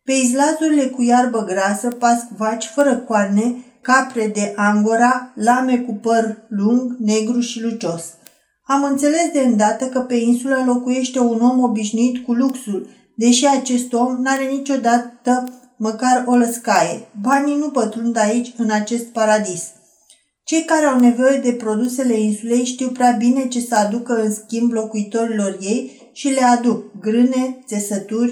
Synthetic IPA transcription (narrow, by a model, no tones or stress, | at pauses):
pe̞izlazuɾile̞kujarbəɡɾasəpaskvat͡ʃʲfəɾəkwarne̞ | kapɾe̞d̪e̞ʔaŋɡoɾalame̞kupərluŋɡne̞ɡɾuʃilut͡ʃo̞s | amɨnt̪se̞le̞sd̪e̞ɨnd̪at̪əkəpe̞insuləlo̞kuje̞ʃt̪e̞uno̞mo̞biʃnuit̪kuluksul | d̪e̞ʃiat͡ʃe̞st̪o̞mnaɾe̞nit͡ʃo̞d̪at̪ə | məkaro̞ləskajebaninupət̪ɾund̪ait͡ʃʲɨnat͡ʃe̞st̪̚paɾad̪is | t͡ʃe̞jkaɾe̞awne̞vo̞je̞d̪e̞pɾo̞d̪use̞le̞insule̞jʃt̪iwpɾʲeabine̞t͡ʃe̞səad̪ukəɨnskʲimblo̞kuit̪o̞ɾilo̞rje̞j | ʃile̞ad̪uk̚ɡɾɨne̞t̪se̞sət̪urʲ